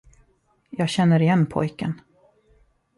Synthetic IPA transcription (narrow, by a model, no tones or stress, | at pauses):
jɑːɡɕɛnːəɾɪjɛnːpʰɔ̰jkə̰n